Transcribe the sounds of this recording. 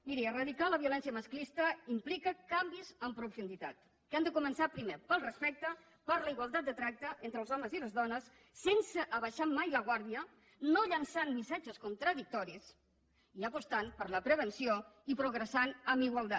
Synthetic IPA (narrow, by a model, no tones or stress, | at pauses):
miɾiərəðikaləβiulɛnsiəməsklist̪əimplikəkambizəmpɾufund̪it̪a̰t̪ | kand̪əkumənsapɾimepəlˠrəspɛk̚t̪ə | pəɾləiɣwalˠt̪at̪̚d̪ət̪ɾak̚t̪əʔent̪ɾəlˠzɔməziləzðɔnəsː | ensəʔːβəʃamajləɣwaɾðiə | noʎənsanmisad͡ʒəskunt̪ɾəðik̚t̪ɔɾis | iəpust̪anpəɾləpɾəβ̞ənsioipɾuɣɾəsanəmiɣwalˠt̪a